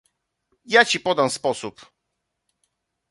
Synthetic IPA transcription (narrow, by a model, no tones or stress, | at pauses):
jat͡ɕipɔd̪amspɔsup